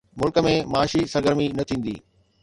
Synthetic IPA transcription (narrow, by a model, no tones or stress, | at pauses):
mʊlkə̆mẽmaːʃisɐɾɡəɾminɐt̪ʰĩːn̆d̪ḭː